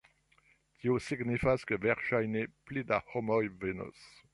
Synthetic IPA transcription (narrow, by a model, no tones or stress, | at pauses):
tʰiosiɡnifaz̥kəvɛʁʃajneplid̪ahɔmɔjvenə̰s